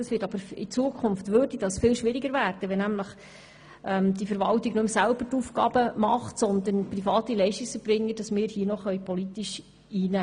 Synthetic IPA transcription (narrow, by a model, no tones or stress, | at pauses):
dɑsʋɪːtɑb̥əɾɪt͡suəkʰχʊmftʋøːrd̥id̥ɑsfɪlʃʋɪɾiɡəɾvæːrd̥əʋɛnæmləχ | ʔɛmd̥ifəɾʋɑltiɡnɵmsælb̥ətuːfɡɑːb̥əmɑχtsɔnd̪ənprifɑːtilɛɪʃtiksəb̥ɾɪŋːəd̥ɑsmɪːɾhiənɔχœʏpʰɔlit̪iʃ | iːnæː